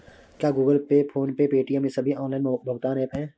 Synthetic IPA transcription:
kjaːɡuːɡəlpepʰoːnpepeːʈijəmẽsɐbʱiɔ̃ːnlaːɪnbʱɐʋt̪aːneːpɦɛ̃ː

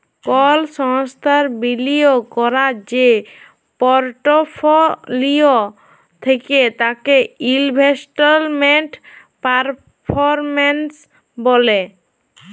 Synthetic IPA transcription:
kɔlʃɔŋst̪ʰaɾbiliokɔɾad͡ʑe | pɔɾʈofʰolio | t̪ʰeket̪akeilbʱesʈolmeɳʈ | paɾ | pʰoɾmens | bole

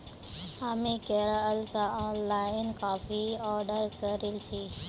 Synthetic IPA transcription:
aːmĩkeɾəəlsãɔːnlaːɪnkaːfiɔːɾɖəɾkəɾɪlt͡ʃʰiː

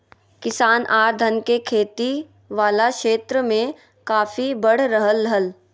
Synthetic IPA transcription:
kɪsaːnʔaːɾd̪ʱənkekʰeːt̪i | ʋaːlakʃeːt̪ɾəmẽ | kaːfibəɽ̤ɾəɦəlːəɦəl

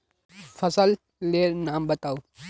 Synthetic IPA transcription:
fʰɐsəlː | eɾnambət̪aw

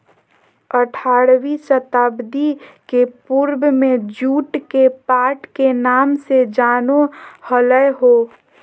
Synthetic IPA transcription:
əʈʰaːɾwiːsət̪aːbd̪ikepuɾbmẽd͡ʒuːʈkepaːʈkenaːmsed͡ʒaːnohələjɦoː

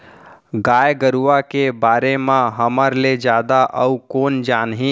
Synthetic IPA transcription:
ɡaːjɡəɾuʋakebaːɾemãɦəməɾled͡ʒjaːd̪aʔəukoːnd͡ʒaːnɦĩ

